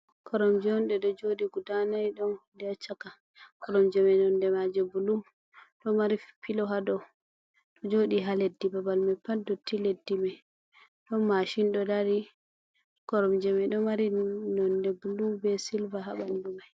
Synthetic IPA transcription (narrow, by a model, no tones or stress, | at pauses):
kʰɔɾɔmd͡ʒɔnɗɛɗɔd͡ʒoɗiɡudanajɗɔndɛt͡ʃaka | kɔɾɔmd͡ʒɛmɛjnɔndɛmad͡ʒɛbulu | ɗɔmaɾipilɔɦadɔ | ɗɔd͡ʒoɗiɦaledːibabalmapadɔtʰiledːimaj | ɗɔnmːaʃinɗɔdaɾi | kɔɾɔmd͡ʒɛmɛjɗɔmaɾinɔndɛbulubɛsilvaɦaɓandumaj